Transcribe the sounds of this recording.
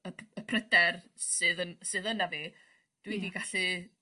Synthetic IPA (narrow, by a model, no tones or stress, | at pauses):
əəpʰrədɛr | sɨðənsɨðənaviː | d̥widiɡaɬɨ